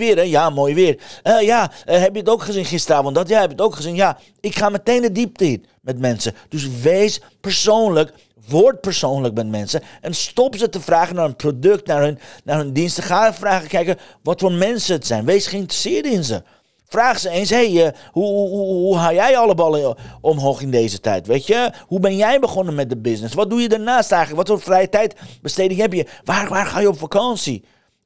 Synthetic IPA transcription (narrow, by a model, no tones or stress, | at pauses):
ʋɪəɾɛjamoːjʋɪərəjaɦɛpjəətowkχəzinχɪstəɾaːvɔntdɔtjahɛpɪkətowkχəzinja | ɪkχaːməteːndədip̚təɪt | mɛt̚mɛnsəd̥øs̬ʋeːs | pəɹsoːnlək | ʋoɹt̚pəɹsoːnləkmɛt̚mɛnsəʔɛnstɔpsətəfraːχənaːrənprodøk̚tnaɹnnaːrøndinstəχaːfraːɣəkɛjkəʋɔtfoːmɛnsəətsɛjnʋesχəɪntrəsɪːəɹtɪnzə | fraːχsəeːnshejəhuuɦuɦuɦajɛjɑləbɑləɔmɦoːχɪndeːzətɛ̰jtʋeːtjəhubɛnjɛjbəχɔnənmɛt̚dəbɪsnɪsʋɔt̚dujədaɹnaːstɛjxələkʋɔtfoːfrɛjətɛjtb̥əsteːdɪŋɛpjəʋaʋaːrχaːjəɔpfakɑnsi